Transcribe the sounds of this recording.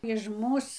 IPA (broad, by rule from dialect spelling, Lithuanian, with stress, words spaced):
ɪʃ ˈmuːs